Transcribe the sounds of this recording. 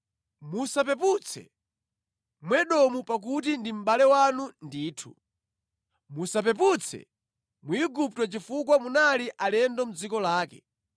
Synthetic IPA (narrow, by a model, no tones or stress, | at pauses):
musap̬ɛp̬ut͡sʰɛ̰ | mwɛɗɔmupak̬ut̬indim̩ɓalɛwanundiːtʰu | musap̬ɛp̬ut͡sʰɛ̰ | muiɡup̚twɛt͡ʃifukwamunaliʔalɛndɔm̩d͡zikɔlaːkɛ̰